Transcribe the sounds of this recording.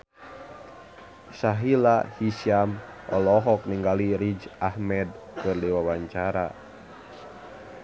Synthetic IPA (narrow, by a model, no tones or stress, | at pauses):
saɦilahisiamɔlɔɦɔkniŋɡaliɾid͡ʒahmɛd̚ | kɨrdiwawaɲt͡ʃaɾa̰